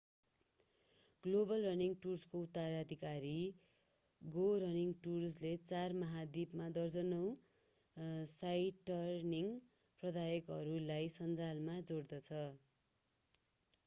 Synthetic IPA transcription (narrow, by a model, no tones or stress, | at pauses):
ɡlobʌlrʌrniŋɡʈurskout̪ːaɾad̪ʱikaɾi | ɡoɾʌniŋʈurslet͡sarmʌɦad̪ibmad̪ʌrd͡zʌnʌw̃ | sajʈʌrniŋ | prʌd̪ajʌkɦʌɾulajsʌnd͡zalmad͡zord̪ʌt͡sʰʌ